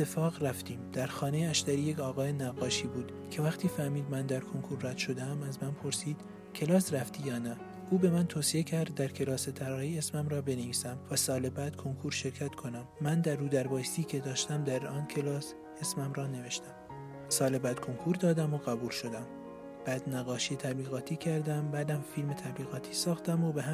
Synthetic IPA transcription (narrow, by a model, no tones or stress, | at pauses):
et̪ʰːefɒːɣræft̪iːmd̪̥æɾxɒːnejeæʃt̪æɾiːjecʰɒːɣɒːje̞næɣːɒːʃiːbuːd̪̥ | cʰe̞væxt̪ʰiːfæhmiːd̪mænd̪æɾkʰoŋkʰuɾræd̪̥ʃo̞d̪eæmæzmænpʰo̞ɾsiːd̪̥ | cʰe̞lɒːsræft̪iːjɒːnæ | ʔuːbe̞mænt̪ʰoːsie̞cʰæɾd̪ːæɾcʰe̞lɒːse̞t̪ʰæɾɒːɾiːe̞smæmɾɒːbe̞ne̞viːsæmvæsɒːlebæːd̪̥kʰo̞ŋkʰuːɾʃe̞ɾcʰæt̪kʰo̞næmːænd̪æɾːuːd̪æɾbɒːjst̪iːcʰe̞d̪ɒːʃt̪æmd̪æɾɒːncʰelɒːs | esmæmɾɒːne̞ve̞ʃt̪æm | sɒːlebæːd̪̥̚kʰo̞ŋkʰuɾd̪ɒːd̪æmoɣæbuːlʃo̞d̪æm | b̥æːd̪næɣɒːʃiet̪ʰæbliːɣɒːt̪ʰiːcʰæɾd̪æmbæːd̪æmfiːlme̞t̪ʰæbliːɣɒːt̪ʰiːsɒːxt̪æmobeɦæ